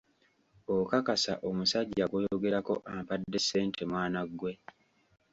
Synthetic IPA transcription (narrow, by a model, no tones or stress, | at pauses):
okakasa̰ʔomusaɟːakwojo̞ɡe̞ɾako̞ʔampadːe̞se̞ːntʰe̞mwaːnaɡːwe̞